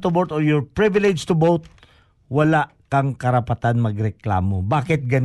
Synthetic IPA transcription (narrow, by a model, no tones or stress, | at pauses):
t̪ʊbot̪ɔɹjɔɹpɹɪvɪlɛd͡ʒt̪ʊbowt̪̚ | wɐlaʔkɐŋkɐɾɐpɐt̪anmɐɡɾɛkla̰ːmobaːkɪt̪̚ɡɐn